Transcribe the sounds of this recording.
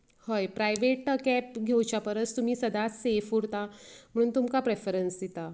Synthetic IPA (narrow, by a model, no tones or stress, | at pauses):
həjpɾajʋeʈəkæp̚ɡʱewt͡ɕjapəɾət͡st̪um̤iːsəd̪ʱasefuɽt̪am̤əɽ̃uːnt̪umkapɾefəɾənsd̪et̪a